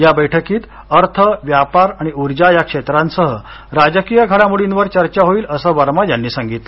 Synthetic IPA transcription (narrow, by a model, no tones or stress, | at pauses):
jabəjʈʰəkiːt̪ | əɾt̪ʰəʋjapaɾaɽ̃iuɾd͡ʑajakʂet̪ɾãnsəɦə | ɾad͡ʑəkijəɡʱəɭamuɽinʋəɾt͡ɕəɾt͡ɕaɦoiːləsəːʋaɾmajanːiːsãŋɡit̪lə